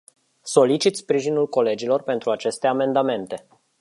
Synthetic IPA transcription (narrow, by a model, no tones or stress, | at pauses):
so̞lit͡ʃit̪spɾiʒinulko̞le̞d͡ʒilo̞rpe̞nt̪ɾuat͡ʃe̞st̪e̞ame̞nd̪ame̞nt̪e̞